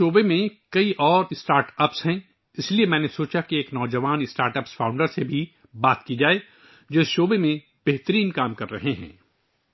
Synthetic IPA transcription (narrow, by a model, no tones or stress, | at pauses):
ʃoːbemẽkɐiʔɔːɾɪsʈaːɾʈəpsɦɛ̃ː | ɪsliemɛ̃ːnesoːt͡ʃakieːknɔːd͡ʒɐʋaːnɪsʈaːɾʈəpsfʰãːʊ̃ɳɖəɾsebʱi | baːt̪kid͡ʒaːe | d͡ʒoːɪsʃoːbemẽ | b̥eɦt̪əɾiːnkaːmkɐɾːɐɦeɦɛ̰̃ː